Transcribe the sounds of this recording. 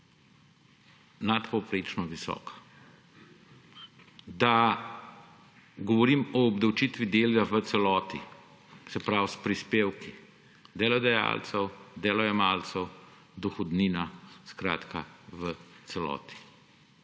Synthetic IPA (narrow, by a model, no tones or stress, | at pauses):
nat̪pɔwpɾeːt͡ʃnɔʋisɔ̰ːkḁ | d̪a | ɡɔʋɔɾiːmɔːbd̪ɐwt͡ʃit̪ʋid̪eːljaʋət̪sɛlɔːt̪i | sɛpɾawspɾispeːwki | d̪ɛlɔd̪ɐja̰ːlt̪səwd̪ɛːlɔjɛmaːlt̪səw | d̪ɔxɔd̪niːnaskɾa̰ːt̪kaʋət̪sɛlɔ̰ːt̪i̥